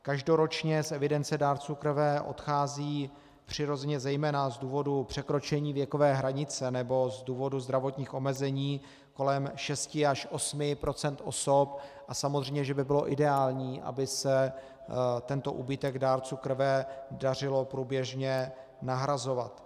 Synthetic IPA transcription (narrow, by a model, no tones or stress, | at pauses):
kaʒdo̞ɾo̞t͡ʃɲɛsʔɛvɪdɛnt͡sɛdaːɾt͡suːkr̩vɛʔo̞̰t̪xaːziː | pr̝̥ɪɾo̞zɛɲɛzɛjmɛːnazduːvo̞dupr̝̥ɛkɾo̞t͡ʃɛɲiːvjɛko̞vɛːɦɾaɲɪt͡sɛnɛbo̞zduːvo̞duzd̪ɾavo̞t̪ɲiːxo̞mɛzɛɲiː | ko̞lɛmʃɛscɪaʃʔo̞smɪpɾo̞t͡sɛnt̪ʔo̞̰sop̚ʔasamozr̝ɛjmɲɛʒɛbɪbɪlo̞ʔɪdɛaːlɲiːʔa̰bɪsɛ | t̪ɛnt̪o̞̰ʔubɪt̪ɛɡdaːɾt͡suːkr̩vɛdar̝ɪlo̞pɾuːbjɛʒɲɛ | naɦɾazo̞va̰t̪